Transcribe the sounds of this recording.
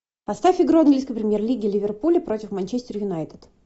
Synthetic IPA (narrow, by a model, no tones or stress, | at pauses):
pɐst̪afʲɪɡɾoɐnɡlʲiskəjpɾʲɪmʲjerlʲiɡʲɪlʲɪvʲɪrpulʲɪpɾo̞tʲɪfmɐnʲt͡ɕesʲtʲɪrjʊnajt̪ʲɪ̥t̪